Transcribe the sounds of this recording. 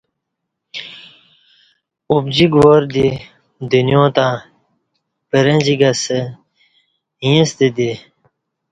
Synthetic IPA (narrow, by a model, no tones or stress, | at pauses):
ubd͡ʑiɡʋoɾd̪i | d̪injõːt̪ãː | pəɾɐd͡ʑiɡɐsə | ɦĩst̪id̪i